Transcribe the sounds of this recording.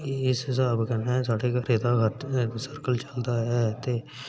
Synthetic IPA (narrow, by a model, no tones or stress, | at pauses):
ɪsɪsaːbkɛnɛ̃saːɽekaɾeːd̪aɡʱət̪səɾkəlt͡ʃəld̪aɦɛːt̪e